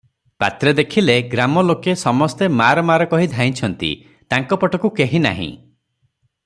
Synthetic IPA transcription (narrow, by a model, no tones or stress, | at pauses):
pa̰t̪ɾed̪ekʰileɡɾamɔlokesɔmɔst̪emaɾɔmaɾɔkɔɦid̪ʱaj̃t͡ʃʰɔnt̪ḭ | t̪aŋkɔpɔʈɔkukeɦina̰ɦḭ̃